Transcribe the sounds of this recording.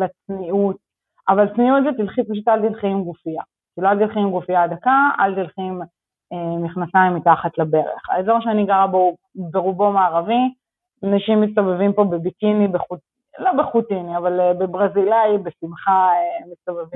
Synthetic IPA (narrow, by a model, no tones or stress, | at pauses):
lat͡sniut̚ | avalt͡sniutlit̪ilχit̚paʃ̬ut̪alt̪ilχimɡufija̰ | kiloalt̪ilχimɡufijad̪akaa̰lt̪ilχim | eniχnasaimːitaχatlabe̞ʁḛχa̰ezoʁʃeaniɡaʁabo | beʁubo̞maːʁavi | anaʃimːis̬t̪avevimpo̞bebikinibeχut | lo̞beχut̪iniavalbebʁazilajbesimχaemistavevi